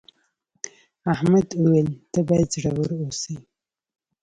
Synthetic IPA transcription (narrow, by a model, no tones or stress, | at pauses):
ahmad̪uwelt̪əbɑjad̪zɽawəɾosi